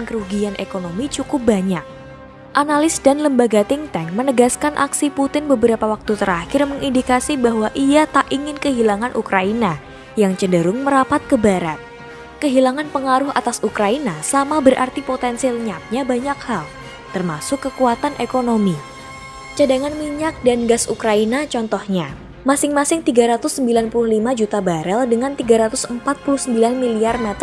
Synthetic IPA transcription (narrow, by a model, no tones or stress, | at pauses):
nkəɾuɡianʔḛkonomit͡ʃukʊp̚baɲak̚ | ʔanalɪsdanləmbaɡat̪ɪŋt̪ɛŋmənəɡaskanʔa̰ksiput̪ɪnbəbəɾapawak̚t̪ut̪əɾahɪrməŋindikasibaɦwaʔiat̪aʔiŋɪnkəɦilaŋanʔukɾaina | jaŋt͡ʃəndəɾʊŋməɾapat̪̚kəbaɾat̪̚ | kəɦilaŋanpəŋaɾʊha̰t̪asukɾainasamabərʔa̰rt̪ipot̪ɛnsilɲap̪̚ɲabaɲakhal | t̪ərmasʊkːəkuat̪anʔekonomi | t͡ʃadaŋanmiɲak̚danɡasukɾainat͡ʃɔnt̪ɔhɲa | masɪŋmasɪŋt̪iɡaɾat̪ʊsːəmbilanpulʊhlimad͡ʒut̪abaɾɛldəŋant̪iɡaɾat̪ʊsəmpat̪̚pulʊhsəmbilanmiliarmɛt̪